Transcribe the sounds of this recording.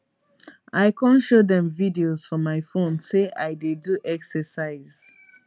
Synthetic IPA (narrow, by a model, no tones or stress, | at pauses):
ajkʰɔ̃nʃodɛ̃mvidioz̥fɔ̃mːajfõnseajdeduʔɛksəsaɪz